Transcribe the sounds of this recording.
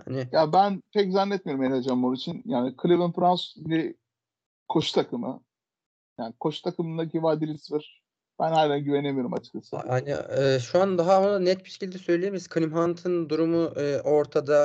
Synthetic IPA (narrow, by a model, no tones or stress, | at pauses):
ha̰nɪjabænpʰɛc̬zanːɛt̪̚mijo̞ɾumead͡ʒanmonit͡ʃʰinjaːnikʰɯlʲiβɯnfɾansdi | kʰoʃt̪ʰakʰɯmɯ̰ | jaːnikʰo̞ʃt̪ʰakʰɯmɯnd̪akʰivad̪ilʲisvɯɾ̥ | b̥ænhajlʲanɟyvenemijo̞ɾuma̰t͡ʃʰɯ̥kasɯhanḭɛːʃuand̪aɦanɛt̪̚biʃecʰilʲd̪ɛsø̞jlʲijemisi̥kʰanʲimɦant̪ʰɯnd̪uɾumuʔːʔo̞ɾt̪ʰad̪a